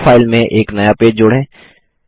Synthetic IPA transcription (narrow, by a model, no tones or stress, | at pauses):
pʰaːɪlmẽʔeːknɐjapeːd͡ʒd͡ʒʊɽẽː